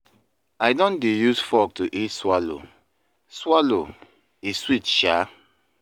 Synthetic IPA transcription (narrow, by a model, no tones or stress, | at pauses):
aɪdɔ̃ndejusfɔk̚tuʔitswalo̰ | swalo | iswitʃa